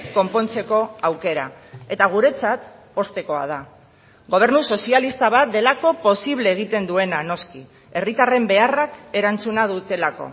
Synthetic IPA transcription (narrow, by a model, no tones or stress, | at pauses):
ko̞mpo̞nt͡se̞ko̞awke̞ɾa̰e̞t̪aɣ̞uɾe̞t͡sat̪ | o̞st̪e̞ko̞a̰ð̞a | ɣo̞β̞e̞ɾnuso̞sialist̪aβ̞at̪̚d̪e̞lako̞po̞siβle̞ːɣ̞it̪e̞nd̪ue̞nano̞ski | e̞rit̪are̞mbe̞arake̞ɾant͡sunaðut̪e̞lako̞̰